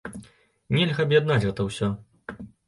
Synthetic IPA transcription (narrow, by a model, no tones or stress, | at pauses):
nʲɛlʲɣɐɐbjad̪nat͡sʲɣɛt̪ɐwsʲɔ